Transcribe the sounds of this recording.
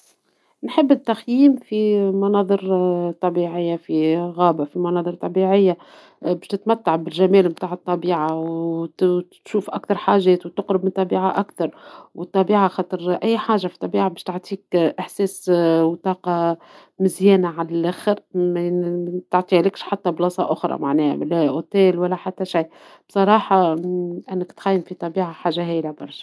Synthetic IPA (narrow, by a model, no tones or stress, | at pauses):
nħɪbːɪt̪ːaxjiːmfimɑnɑːðˤɨɾt̪ˤːɑbiːʕɪjːafiɣɑːbafimɑnɑːðˤɨɾˤt̪ˤːɑbiːʕɪjːa | bɛʃt̪ɪt̪mæt̪ːaʕbɪlʒæmɛːlmt̪aːʕɨt̪ˤːɑbiːʕaw̪ | ʃuːfʔakt̪ɑɾˤħaːʒɛːt̪wt̪ʊqɾʊbmɪnt̪ˤːɑbiːʕaʔakθɑɾˤwət̪ˤːɑbiːʕaxɑːt̪ˤɨɾʔæjːħaːʒafit̪ˤːɑbiːʕabɛːʃt̪aʕt̪ˤʰiːkʔɪħsɛːswt̪ˤɑːqɑ | mɪzjɛːnaʕalælʔæxɪɾmæt̪ʊʕt̪ˤiʕlɪkʃħat̪ːæblɑːsˤɑ̰ʔʊxɾˤɑ̰maʕnɛːhæ̰læʔot̪eːlwælːæħat̪ːæʃaj | b̥sˤɑɾˤɑːħɑʔɪnːɪkt̪xæjːɪnfit̪ˤɑbiːʕaħaːʒːaɦɛːjlabɑɾˤʃɑ̥